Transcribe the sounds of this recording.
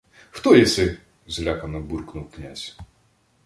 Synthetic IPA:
xt̪ɔjɛsɛ | zʲlʲakɐnɔburknuwknʲasʲ

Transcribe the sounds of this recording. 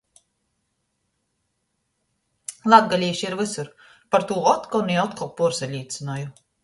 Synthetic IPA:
lˠad̪̚ɡalʲiːʃiɾvɨsuɾ | paɾt̪uːɔt̪kɔlniɔt̪kɔl̚puɾsɛlʲiːt̪sɨnɔju

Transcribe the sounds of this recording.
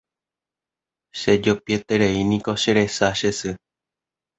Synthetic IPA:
ʃed͡ʒopiet̪eɾeinĩkoʃeɾe̞saʃesɨ

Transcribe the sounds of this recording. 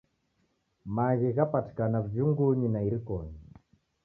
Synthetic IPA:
maɣiɣapati̥kanavjuŋɡuɲinaiɾikɔɲɛ

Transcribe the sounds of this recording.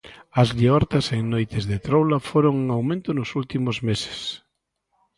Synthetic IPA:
ɐzliɔɾt̪ɐseŋnojt̪ɪzðet̪ɾowlɐfoɾoŋuŋawmẽnt̪ʊnʊsult̪imʊzmese̥s

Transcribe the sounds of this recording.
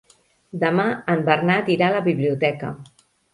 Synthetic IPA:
d̪əmaəmbərnat̪iɾaləβiβliut̪ɛkə̰

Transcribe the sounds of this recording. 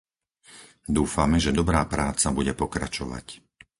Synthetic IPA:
d̪uːfamɛʒɛd̪ɔbɾaːpɾaːt͡sabuɟɛpɔkɾa̰t͡ʃɔʋa̰c

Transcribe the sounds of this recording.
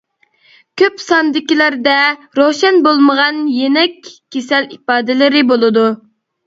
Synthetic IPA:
kʲʰøpsɑnd̪ɪkʲilæɾd̪ɛ | ɾoʃɛnbolˠməʁɑnjenɛkʲʰːesɛlipɑːd̪ɪlɪɾɪbolˠɨd̪u

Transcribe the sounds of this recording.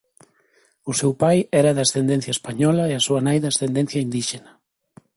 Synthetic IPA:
ʊsewpajɛɾɐðɐst̪end̪ẽn̟θjɐespaɲɔlɐeɐsuɐnajðɐst̪end̪ẽn̟θjɐind̪iʃenɐ

